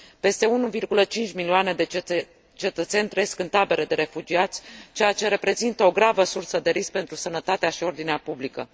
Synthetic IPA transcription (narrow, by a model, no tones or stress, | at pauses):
pe̞st̪e̞unuvirɡulət͡ʃint͡ʃʲmilioane̞d̪e | t͡ʃe̞t̪ət̪se̞nʲt̪reeeskɨnt̪abe̞ɾʔed̪e̞ɾe̞fud͡ʒiat̪sʲt͡ʃe̞jat͡ʃe̞ɾe̞pɾe̞zint̪əo̞ɡɾavəsursəd̪e̞ɾisk̚pent̪ɾusənət̪at̪eaʃio̞rd̪ineapublikə̰